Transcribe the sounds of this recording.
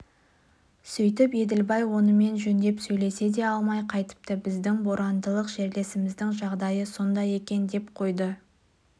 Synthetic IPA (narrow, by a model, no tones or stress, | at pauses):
sɵjt̪ɪpe̞d̪ɪlbɑjwo̞nəme̞nʒɵnd̪e̞psɵjle̞se̞d̪e̞ɑlˠmɑjqʰɑjt̪ə̥p̚t̪əbɪzd̪ɪŋbo̞ɾʔɑnd̪əlˠəqʒeɾle̞sɪmɪzd̪ɪŋʒɑʁd̪ɑjəso̞nd̪ɑje̞kʲe̞nd̪e̞pqʰo̞jd̪ə